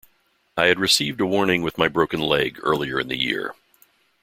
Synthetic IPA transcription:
aɪɨd̚ɹɨsivdəwɔɹnɪ̃ŋwɨðmaɪbɹoʊkɨ̃nlɛɡɜ̰˞lˠiə˞ɨ̰̃nðɨ̰jɪ̰ɹ

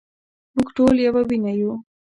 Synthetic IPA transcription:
muɡʈoljawawinaju

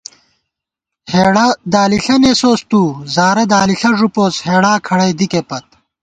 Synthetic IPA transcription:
hed̪aːliɬɐnesoːst̪uːzaːɾɐd̪aːliɬɐʐupoːsheːɽaːkʰɐɽɐjd̪ikepɐt̪̚

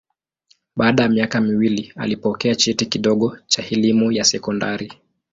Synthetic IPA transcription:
ɓaːɗajamiakamiwilia̰lipɔkɛat͡ʃitikiɗɔɠɔt͡ʃahɛlimujasɛkɔndaɾi

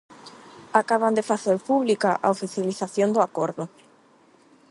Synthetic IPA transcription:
akaβ̞and̪efaθeɾpuβlikaʔa̰ofiθjaliθaθjond̪ʊakoɾðʊ

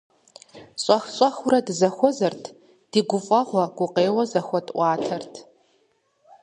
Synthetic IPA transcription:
ɕʷʼɐxɕʼɐxʊɾɐdzɐxʷɔzɐrtʰ | d̥iɡʷʊfʼɐʁʷɐɡ̥ʷʊqʼeːwɐzɐxʷɔtʼʔʷɑːtʰɐrtʰ

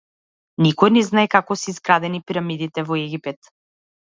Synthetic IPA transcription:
nikɔjnɛznaɛkakɔsɛːzɡɾad̪ɛnipiɾamid̪it̪ɛvɔɛɡʲipɛt̪

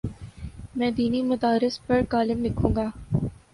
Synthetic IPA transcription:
mɛ̃ːd̪iːnimɐd̪aːɾɪspɐɾkaːlɪmlɪkʰũːŋɡaː

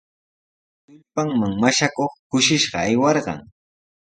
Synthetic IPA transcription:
ʊʎpaŋmaŋmaʃakoχkʊʃɪʃɢɑ̰ajwɑɾɢɑ̰ŋ

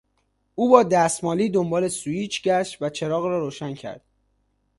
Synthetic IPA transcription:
ʔuːbɒːd̪æst̪mɒːliːd̪ombɒːle̞suiːt͡ʃʰɟæʃt̪væt͡ʃʰe̞ɾɒːɣrɒːɾoːʃæncʰæ̰ɾd̪̥

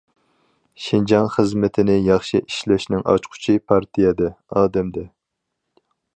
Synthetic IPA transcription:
ʃɪnd͡ʒɑnχəzmɪt̪ʰɪnɪjɑχʃiʔiʃlɛʃnɪŋɑ̰t͡ʃqʰʊ̥t͡ʃʰipʰɑɾt̪ʰijɛd̪ɛɑːd̪ɛmd̪ɛ

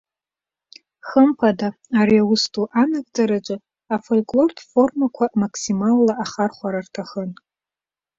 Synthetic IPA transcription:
χəmpʰada | aɾiawʊstʼuʔanakʼd͡zaɾat͡ʃʷʼɨ | afolkʼlo̞rtʰfo̞rmakʷʰamakʰsimalːaʔaχarχʷaɾartʰaχən

